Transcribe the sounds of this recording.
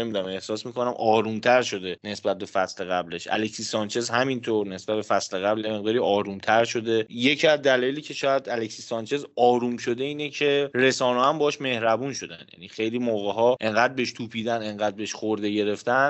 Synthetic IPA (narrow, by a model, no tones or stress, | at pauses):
emid̪unæme̞hsɒːsmiːkʰo̞næmʔɒːɾumt̪ʰæɾʃo̞d̪e̞ne̞sbæt̪̚be̞fæsleɣæbleʃʔæ̰lecsisɒnt͡ʃʰezhæmint̪ʰoɾne̞sbæt̪̚be̞fæsleɣæbleenɡ̪ɒɾiɒːɾumt̪ʰæɾʃo̞d̪e̞je̞cʰiæzd̪ælɒjeliːcʰe̞ʃɒːjæd̪ælecsisɒnt͡ʃʰe̞zɒːɾumʃo̞d̪e̞iːnecʰe̞ɾe̞sɒːnɒæmbɒʃme̞hɾæbunʃo̞d̪ænjæ̰nixe̞jliːmoɣeɦɒːʔe̞ŋɢæd̪̚beeʃt̪ʰuːpʰiːd̪æneŋɡæːd̪̚beʃχoɾd̪e̞ɟe̞ɾe̞ft̪æn